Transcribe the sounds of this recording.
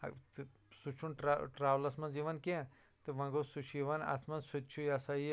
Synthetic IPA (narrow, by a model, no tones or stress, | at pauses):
t̪ | sut͡ʃʰunʈɾaʈɾaːʋlɐsmɐnd͡ʒiʋɐnkẽ | t̪ɨʋɐ̃ɡosut͡ʃʰiʋɐnɐ̰t͡sʰmɐ̃nsut̪t͡ʃʰujasaj